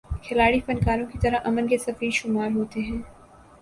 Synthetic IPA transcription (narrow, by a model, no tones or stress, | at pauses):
kʰɪlaːɽifɐnkaːɾõkit̪ɐɾaʔɐmənkesɐfiːʃʊmaːɾɦoːt̪eɦɛ̃ː